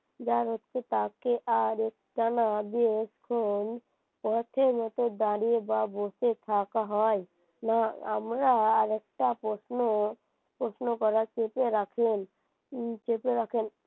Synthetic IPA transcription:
d͡ʒaɾɦot̪t͡ʃʰet̪akeʔaɾek̚ʈanabieskʰon | pɔɾt̪ʰemɔt̪od̪aɾiebaboset̪ʰakaɦɔe | naa̰mɾaaɾɛk̚ʈapɾosno | pɾosnokɔɾat͡ʃepeɾakʰen | t͡ʃepeɾakʰen

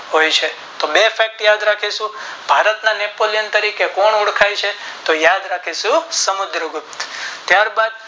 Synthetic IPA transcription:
ɦojt͡ʃʰe | t̪obefʰɛk̚ʈjad̪ɾakʰiʃũb̥ʱaɾət̪nanepolijənt̪əɾikekɔɳʊɽkʰajt͡ʃʰet̪ojad̪ɾakʰiʃũsəmʊd̪ɾəɡʊp̚t̪t̪jaɾbad̪̚

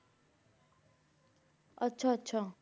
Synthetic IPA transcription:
ʌtːt͡sʰʌʌtːsʰʌ

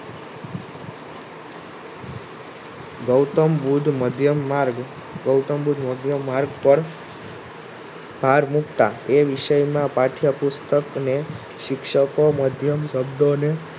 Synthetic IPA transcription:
ɡəwt̪əmbud̪ʱmd̪ʱjəmaɾɡ | ɡəwt̪əmbud̪ʱməd̪ʱjəmːaɾɡpəɾ | bʱaɾmukt̪a̰eʋɪʃəjmãpaʈʰjapʊst̪əkne | ʃɪkʃəkoməd̪ʱjəmʃəbd̪one

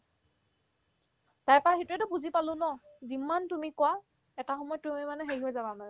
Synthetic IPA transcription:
tajpaxitɹɛtʊpuzipalʊ̃nɔzimːantumikɔwa | ɛtaxɔmɔjɔtːumimanɛxeɹiɦojzabamanɛ

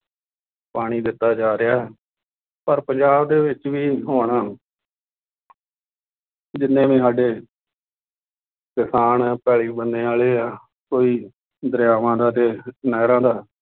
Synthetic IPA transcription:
paːɽ̃iːd̪ɪt̪ːaːd͡ʒaːɾɪjaːɦɛː | pəɾpəɲd͡ʒaːb̚d̪eːʋɪt͡ʃʋiːɦoːɽ̃aː | d͡ʒɪnːẽːmẽːsaːɖeː | kɪsaːnɛpɛːɭiːbənd̪ẽːaːleːaː | koːiː | d̪əɾjaːʋãːd̪aːt̪eːnaːɾãːd̪aː

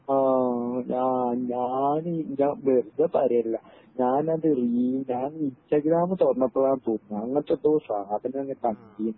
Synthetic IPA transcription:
aːɲaːɲaːniɲaːʋerd̪ɐpɐɾɐjɐlːɐ | ɲaːnɐðɨriːɲaːninstaɡɾaːmɨt̪ornːɐpːoaːnt̪oːnːnːɲːuɐŋːɐt̪ːot̪ːoːsaːd̪ʱɐnenɐŋːɐt̪ɐŋkijun

